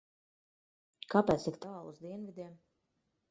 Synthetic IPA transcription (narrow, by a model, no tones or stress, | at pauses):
kapɛːt̪sikt̪aːlˠuzd̪iɛnvid̪ʲiɛm